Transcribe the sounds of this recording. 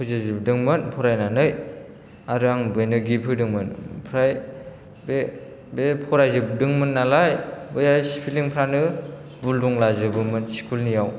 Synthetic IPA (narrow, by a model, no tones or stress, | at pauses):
pʰɯzazɯb̚dɯŋmɯnpʰɔɾajnanɯj | aɾɯaŋbɯjnɯɡipʰɯjdɯŋmɯnpʰɾaj | be | bepʰɔɾajzɯb̚dɯŋmɯnːalajbɯjajsi̥pʰiliŋpʰɾanɯ | bulduŋlazɯbɯmɯnsi̥kʰulnijaw